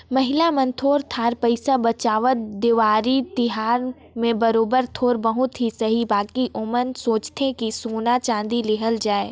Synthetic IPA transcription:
mɐɦɪlamə̃nt̪ʰoːɾt̪ʰaːɾpəɪsabɐt͡ʃaːʋət̪d̪ɪʋaːɾit̪ɪɦaːɾ | mẽbɐɾoːbəɾt̪ʰoːɾbəɦʊt̪ɦisɐɦibaːkiʔʊmənsoːt͡ʃt̪ʰẽkisoːnat͡ʃãːnd̪ilɪɦəld͡ʒaːe

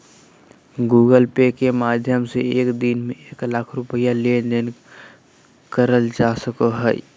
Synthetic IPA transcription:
ɡuːɡəlpekemaːd̪ʱjəmseeːkd̪inmẽeːklaːkʰɾʊpɪjalend̪en | kəɾəld͡ʒaːsəkoɦɛj

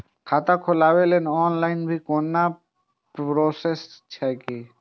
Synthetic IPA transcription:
kʰat̪akʰolabelenɔnlajnbʱikonːa | pɾosest͡ɕʰaki

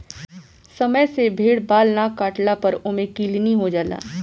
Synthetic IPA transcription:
sɐməjsebʱeːɽbaːlnakaːʈlapɐɾʊmẽkiːlniɦod͡ʒaːla̰ː

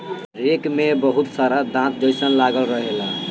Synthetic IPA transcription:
ɾekmebəɦut̪saɾad̪ãt̪̚d͡ʒəjsənlaɡəlɾəɦela

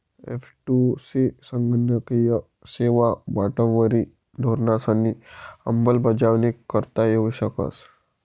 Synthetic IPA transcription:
ḛfʰʈusisəŋɡənəkija | seʋabaʈə̃ʋəɾi | dʱoɾnasanːiɐ̰mbəlbəd͡ʒaʋnikəɾt̪ajeɦuɕəkə̰s

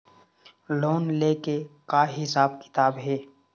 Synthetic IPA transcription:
loːnleːkekaːɦɪsaːbkɪ̥t̪aːbɦeː

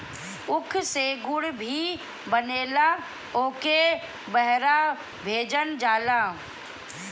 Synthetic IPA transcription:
ʊkʰseːɡʊɽbʱi | bəneːla | oːke | bəɦɾa | bʱeːd͡ʒənd͡ʒaːlaː

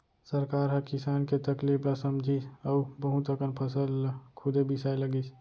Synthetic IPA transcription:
səɾkaːɾɦəkɪsaːnket̪əkliplasəmd͡ʒʱiəubəɦũt̪əkənpʰəsəlkʰʊd̪ebisajləɡis

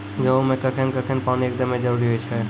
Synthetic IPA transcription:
d͡ʒɐomẽkɐkʰenkɐkʰenpaːniək̚d̪əmːẽd͡ʒəɾuːɾiɦoit͡ʃʰɛ

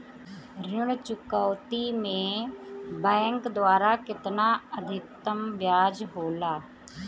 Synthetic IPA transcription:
ɾɪɽt͡ʃʊkaːt̪imẽː | bɛ̃ːŋkd̪waːɾakɪt̪naːəd̪ʱɪk̚t̪əmʋjaːd͡ʒɦoːlaː

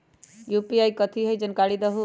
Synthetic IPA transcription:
jupiajkʌt̪ʰiɦəjd͡ʒənkaɽid̪ʌɦu

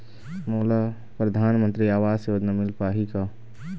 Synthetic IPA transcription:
moːla | pɾɐd̪ʱaːnmənt̪ɾiaːʋaːseəd̪nəmɪlpaːɦika

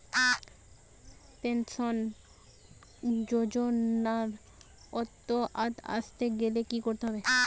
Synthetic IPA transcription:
penson | d͡ʑod͡ʑonaɾ | ɔt̪ːoʔat̪a̰st̪eɡelekikoɾt̪eɦɔbe

